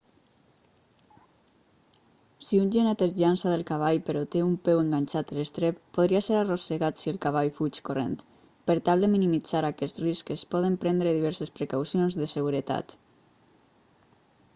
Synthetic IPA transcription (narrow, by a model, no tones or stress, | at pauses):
siunʲʒenɛt̪ezʎansaðelˠkaβ̞aʎpeɾɔt̪eumpɛweŋɡanʲt͡ʃat̪əlest̪ɾeppːoðɾiaseɾaroseɣat̪sielˠkaβ̞aʎfut͡ʃkorḛnt̪ | pəɾt̪alˠd̪eminimid͡zaɾakɛsriskespɔð̞empɾɛnd̪ɾeðiβɛɾsespɾekawsionzðəseɣuɾət̪a̰t̪